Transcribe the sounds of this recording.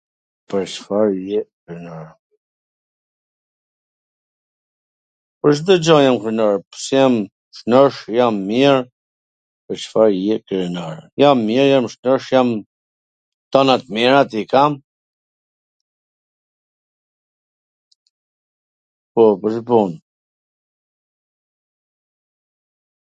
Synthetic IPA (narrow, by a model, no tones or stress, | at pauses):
pəɾt͡ʃfaɾjɛkɾnaɾ | pəɾt͡ʃd̪ɔd͡ʒɔjamkəɾnɔɹpə̥sjam | ʃnəʃjamːiɛɾ | pəɾt͡ʃfaɾjɛkɾɛnaɾjamːiɾjamʃnəʃjam | t̪ɔnat̪mɛɹat̪ikam | pɔpəɾʃbun